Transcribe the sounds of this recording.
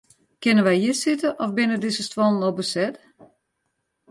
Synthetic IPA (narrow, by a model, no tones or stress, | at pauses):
kɪnənʋɛjhiəsɪtəʔɔfbɪnədɪsəstwɔnnɔbəsɛt